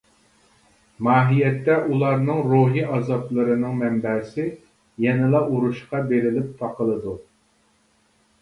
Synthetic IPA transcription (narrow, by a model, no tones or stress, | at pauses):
mɑːɦijɛt̪ːɛʔulˠɑɾnɨŋɾoɦiʔɑzɑplˠɨɾɨnɨŋmɛmbɛsɪ | jɛnɪlˠɑʔuɾuʃqɑbeɾɪlɪp̚t̪ʰɑqʰəlˠɨd̪u